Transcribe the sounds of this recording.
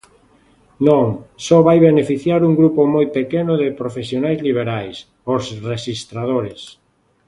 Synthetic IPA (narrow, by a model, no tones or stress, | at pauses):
nõŋsɔβajβenefiθjaɾuŋɡɾupomojpekenʊðepɾofesjonajzliβ̞eɾajs | osreʃist̪ɾaðoɾɪs